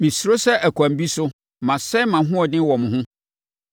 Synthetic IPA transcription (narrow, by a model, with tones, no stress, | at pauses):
mĩ˨sɾo˦sɛ˦ʔæ˨kʰʷã˨m˦bi˦sʊ˦ | mã˨sɛ˦mã˨ɦʊ̃˦ɔ˨nɪ̃˦wɔ˨mʊ̃˨ɦʊ̃˦